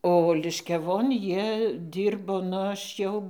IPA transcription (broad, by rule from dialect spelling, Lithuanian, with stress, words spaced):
oː lʲɪʃʲkʲɛˈʋoːn ˈjiɛ ˈdʲiːrboː nʊ ˈɐʃ jɛʊ